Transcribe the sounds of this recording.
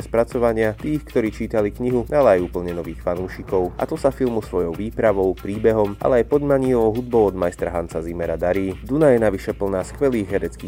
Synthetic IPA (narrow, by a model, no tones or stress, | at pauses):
ɛspɾat͡sɔʋaɲɪat̪iːxkt̪ɔɾiːt͡ʃiːt̪alikɲiɦualɛajuːpl̩ɲɛnɔʋiːxfanuːʃikɔʊʔa̰t̪ɔsafilmusʋɔjɔʊʋiːpɾaʋɔʊpɾiːbɛɦɔmʔa̰lɛajpɔd̪maɲiɔɔʊɦud̪̚bɔʊɔd̪majst̪ɾaɦant͡sazimɛɾad̪aɾiːd̪unajɛnaʋiʃɛpl̩naːskʋɛliːɣɦɛɾɛt͡skiː